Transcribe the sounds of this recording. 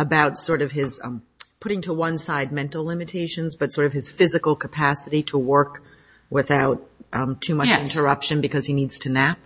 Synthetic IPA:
əbaʊtsɔɹɾʌv̥ɪz̥ | pʰʊɾɪ̃ŋtʰəwʌ̃nsaɪd̚mɛ̃ntˡl̩ˠlɪ̃mɨtʰeɪʃɨ̃nzbʌtsɔɹɾʌv̥ɨz̥fɪzɨkl̩ˠkʰəpʰæsɨɾiɾəwɜ˞k | wɪθaʊtʰʉmʌt͡ʃɪ̃ntə˞ʌpʃɨ̃nbɨkʰʌz̥inidz̥tʰɨnæp̚

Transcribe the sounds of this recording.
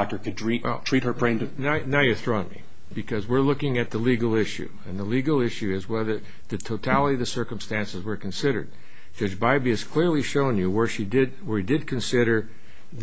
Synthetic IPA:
k̚tə˞kʰɨddɹĩwɛlˠtʰɹ̥it̚hə˞pʰɹ̥ẽɪ̃ntɨnaʊnaʊjɨθɹoʊ̃nmḭ | b̥ɨkʰʌzwɪɹlʊkɪ̃ŋɨt̪̚ðəliɡl̩ˠɪʃʉ̰ɨ̃nðəliɡl̩ˠɪʃʉɪzwɛðə˞ | ðɨtʰoʊtʰælˠəɾiðɨsɜ˞km̩stæ̃nsəzwə˞kɨ̃nsɪɾə̰˞d̚ | d͡ʒʌd͡ʒbaɪbiɨz̥kʰl̥ɪɹlˠiʃõʊ̃njɨwə˞ʃidɪd̪̚wə˞idɨd̚kʰɨ̃nsɪɾə˞ | ð

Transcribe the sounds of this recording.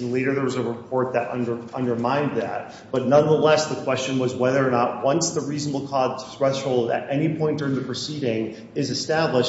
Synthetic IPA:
leɪɾə˞ðə˞wʌzəɹɨpʰɔɹt̪̚ðɨɾʔʌ̰̃ndə˞ʌ̃ndə˞mãɪ̃nðæ̰t̚ | b̥ʌtⁿnʌ̃nðəlɛsðəkʰw̥ɛst͡ʃɨ̃nwʌzwɛðə˞ːnəʔ̚wʌ̃nsðəɹiznəbl̩ˠkʰɔd̚θɹɛʃhoʊlˠdɨ̰ɾʔɛnipʰɔ̃ɪ̃ntə˞ɨ̃nðɨpʰɹ̥ɨsiɾɪ̃ŋ | ɪzɨstæbləʃ

